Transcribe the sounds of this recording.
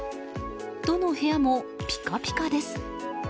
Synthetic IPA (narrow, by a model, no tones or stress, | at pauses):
d̪̥ono̞he̞jamo̞ | pʲi̥kapʲi̥kad̪e̞sɨ̥